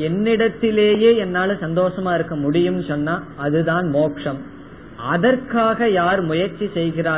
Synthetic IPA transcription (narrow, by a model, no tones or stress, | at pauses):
ɛnːɪɽɐt̪ːɪleːjeːɛnːaːlɯsɐnd̪oːʂɐmaːɪɾɯkːɐmʊɽɪjɯmnɯsɔnːaːɐðɯðaːnmoːkʂɐm | ɐðɐrkaːɣɐjaːɾmʊjɐɾt͡ʃːisɛjɣɪraː